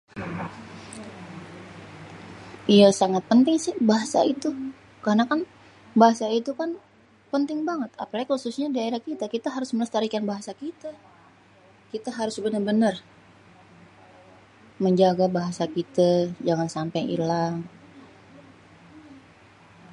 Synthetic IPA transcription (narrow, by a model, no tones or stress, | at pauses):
ijasaŋat̪̚pənt̪ɪŋsɪhbaɦasa̰it̪u | karnakan | baɦasait̪ukan | pənt̪ɪŋbaŋət̪a̰palaɡikhususɲadiaiɾahkit̪akit̪aɦaɾʊsməlast̪aɾikanbaɦasakit̪a | kit̪aɦaɾʊsbənərbənər | məɲd͡ʒaɡabaɦasakit̪ad͡ʒaŋansampajḭlaŋ